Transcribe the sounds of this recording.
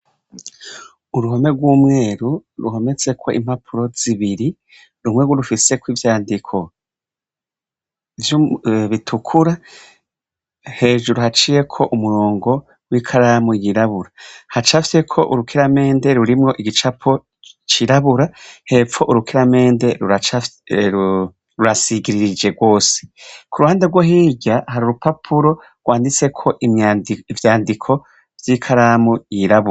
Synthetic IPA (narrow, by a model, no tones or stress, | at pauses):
uɾuɦo̞me̞ɡwuːmŋe̞ːɾuɾuɦo̞me̞t͡se̞kʰo̞ʔḭmhapʰuɾo̞z̥iβiɾi | ɾumŋeɡuɾufise̞kwiːvjaːndikʰo̞ | vjuβitʰukʰuɾa | he̞ːʒuɾuhat͡ʃije̞kʰo̞ʔumuɾoːŋɡo̞ | wikʰaɾamwijiɾaβuɾahat͡ʃafi̥se̞kʰo̞ʔuɾukʰiɾame̞ːnde̞ɾuɾimŋo̞ʔiɡit͡ʃapʰo | t͡ʃiɾaβuɾahe̞pfo̞ʔuɾukiɾame̞ːnde̞ɾuat͡ʃu | ɾuɾasiɡiɾiɾid͡ʒe̞ɡwo̞ːse̥kuɾuhaːndeɡwoɦiːɟahaɾuɾupapʰuɾo̞ɾɡwaːndit͡se̞kʰo̞ʔivjaːndikʰo̞ | v̥jiːkʰaɾamujiɾaβuɾ